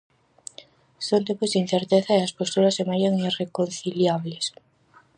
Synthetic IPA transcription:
sownt̪̬empozðin̟θeɾt̪eθaeɐspost̪uɾasːemajaŋirekonθiljaβles

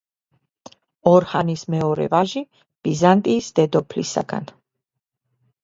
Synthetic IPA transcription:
ɔɾhanismɛɔɾɛ̰vaʒi | b̥izant̪ʼiːsd̪ɛd̪ɔpʰlḭsa̰ɡa̰n

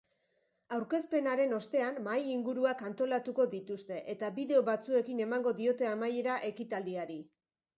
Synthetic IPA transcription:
awɾke̞spe̞naɾe̞no̞st̪e̞anmajiŋɡuɾuakant̪o̞lat̪uko̞ðit̪ust̪e̞ʔe̞t̪abiðe̞o̞βat͡sue̞kine̞maŋɡo̞ðio̞t̪e̞amaje̞ɾaʔe̞kit̪ald̪iaɾi

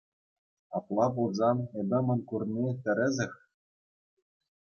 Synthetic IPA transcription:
ɑplˠɑpulˠzɑnĕd̪ʲɤ̆mɤ̆nkurnʲit̪ʲɘ̆ɾʲɘ̆zʲɘ̆xʲ

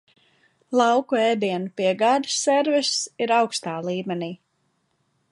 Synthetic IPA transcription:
lˠɑwkueːd̪iɛnupiɛɡaːd̪ə̥sːɛɾvisiɾawkst̪aːlˠiːmɛniː

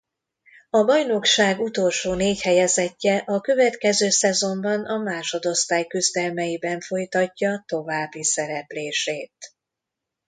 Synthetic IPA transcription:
ɒbɒjno̞kʃaːɡut̪o̞lʃoːneːchɛjɛzɛcːɛʔɒkø̞vɛt̪kɛzøːsɛzo̞mbɒnʔɒmaːʃo̞d̪o̞st̪aːjkyzd̪ɛlmɛjibɛɱfo̞jt̪ɒcːɒt̪o̞vaːbːisɛɾɛpleːʃeːt̪

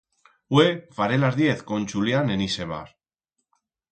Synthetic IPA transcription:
wefaɾelazðje̞θkonʲt͡ʃuljaneniseβa̰ɾ

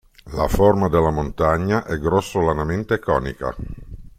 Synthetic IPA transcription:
la̰formad̪elːamont̪aɲːaʔɛɡɾɔsːolanament̪ekɔ̰ːnḭka̰

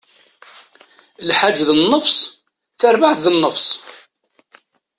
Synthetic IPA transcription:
lħad͡ʒːðənːəfsˤ | θəɾvaʕθðənːəfsˤ

